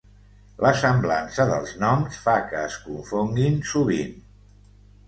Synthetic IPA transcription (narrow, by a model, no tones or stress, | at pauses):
ləsəmblansəðəlˠznɔmsfakəːskuɱfɔŋɡinsuβ̞in